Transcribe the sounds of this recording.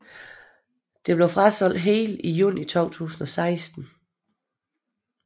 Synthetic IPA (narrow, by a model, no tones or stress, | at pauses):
d̥e̝b̥le̝ʊfʁasɒ̽l̰d̥ɦe̝ːlijuːnit͡sʰɒ̰ʊt͡sʰṵːsn̩ɒ̽sɑ̈ɪsd̥n̩